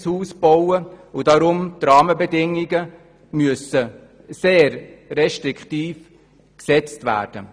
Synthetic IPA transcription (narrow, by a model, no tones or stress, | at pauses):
shuːsb̥ɔwəudɑɾʊmt̪rɑːməbədɪŋɪɡə | myəsə | seːɾrɛʃtɾɪkχtiːf | ksɛt͡stvæ̰ːɾd̥ə